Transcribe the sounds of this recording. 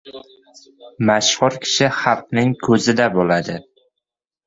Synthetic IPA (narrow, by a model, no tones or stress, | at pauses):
maʃhʊɾkʲʰɪ̥ʃɪhɑlq̚nɪŋkʰɵzɪd̪abolad̪ɪ